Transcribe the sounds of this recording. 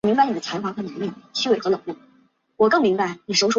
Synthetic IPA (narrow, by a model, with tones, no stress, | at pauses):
mi˧˥ŋba˧ɪi˨˩ə˦t͡sʰa˧˥fa˧˥ŋxɤ˧˥nu˧˥li˥˩ŋt͡ɕʰy˥we˨˩t̪ɤ˧˥lɤ˨˩ŋlu˥˩ | wɔ˨˩kɤ˥˩ŋmi˧˥ŋba˧ɪni˨˩ʂɻʊʂ